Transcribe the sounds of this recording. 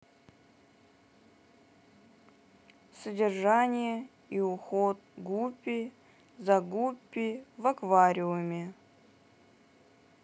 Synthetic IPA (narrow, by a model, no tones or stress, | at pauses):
sədʲɪrʐanʲɪjə | iʊxot̪̚ɡupʲːɪ | zɐɡupʲːɪvɐkvaɾʲɪʊmʲɪ